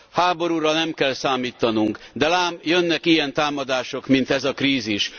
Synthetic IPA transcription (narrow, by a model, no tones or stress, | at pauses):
haːbo̞ɾuːɾɒnɛmkɛlsaːmiːt̪ːɒnuŋkd̪ɛlaːmjønːɛkijɛnt̪aːmɒd̪aːʃo̞kmint̪ɛzɒkɾiːziʃ